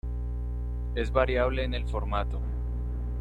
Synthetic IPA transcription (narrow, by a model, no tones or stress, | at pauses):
e̞zβaɾjaβ̞le̞ːne̞lfo̞ɾmat̪o̞